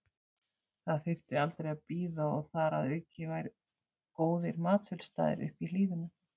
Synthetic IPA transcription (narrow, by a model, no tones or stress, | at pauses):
θaðθɪr̥t̪ɪalt̪ɾejapiːðaɔɣθaɾa̰ðœːɥcɪvajɾ | koːwðɪɾmaːt̪sfʏlst̪a̰ːðɪ̰ɾʏ̰hpiliːvʏna